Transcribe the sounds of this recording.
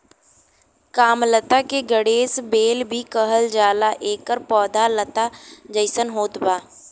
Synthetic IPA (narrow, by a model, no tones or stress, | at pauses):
kaːmlət̪akeɡəɽeːsbeːlbʱikəɦəld͡ʒaːlaʔeːkəɾpɔːd̪ʱalət̪ad͡ʒəɪsənɦoːt̪baː